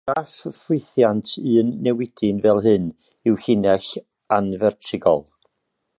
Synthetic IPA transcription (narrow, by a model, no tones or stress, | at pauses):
d̥affʊθjantʰɨənːɛwɪd̥ɨnvɛlˠɦɨn | ɪwhɪnɛɬ | anvɛrtʰɪɡɔ̰lˠ